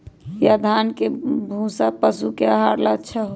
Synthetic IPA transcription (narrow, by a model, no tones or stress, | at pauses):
jad̪ʱankebʱũsapəsukeəɦaɾlat͡ʃʰaɦo